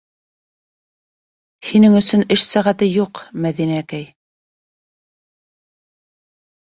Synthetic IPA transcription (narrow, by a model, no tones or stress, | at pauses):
hinɘŋɵ̆sɵnɘʃsæʁæt̪ɘjuqmæðinæækæj